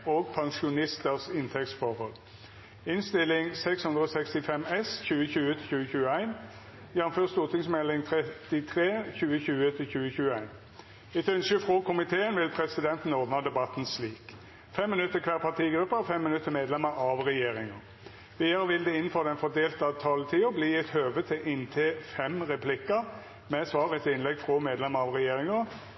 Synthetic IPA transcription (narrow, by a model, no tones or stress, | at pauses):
oːɡ̚pʰɑŋʂʊnɪst̪əʁsɪnt̪ʰɛkt̪sfɔʁhɔl | ɪnst̪ɪlːɪŋsɛkshʉnd̪ʁəoːsɛkst̪ɪfɛmɛsçʉːəɕʉːət̪ʰɪçʉːəçʉːəæɪn | jænʊmføːʁst̪uːʁt̪ɪŋsmɛlɪŋt̪ʰɾɛtt̪ɪt̪ʰʁeːçʉːəçʉːət̪ʰɪlçʉːəçʉːəæɪn | ɪt̪œnskəfʁɔːkʰʊmɪt̪ʰeːənʋɪlpʰʁɛsɪd̪ɛnt̪n̩oːbnɑd̪ɛbɑt̪n̩sliːk | fɛmːɪnʉt̪ːəkʰʋæːʁpʰɑʁt̪ʰiːɡɾʉpːəfɛmːɪnʉt̪ːəmeːd̪lɛməɾʔɑʋɾɛjeːʁɪŋə | ʋiːd̪əɾəʋɪld̪ɛɪnːn̩føːʁd̪ɛnfɔd̪eːlt̪əɑt̪ʰɑːlət̪ʰiːʊbliːɛt̪høːʋət̪ʰɪlʔɪnt̪ʰeːfɛmʁɛpʰlɪkə | mɛsʋɑːʁəɛt̪ʰɪnlɛɡfʁɔmeːd̪lɛməɾɑʋʁɛjeːɾɪŋə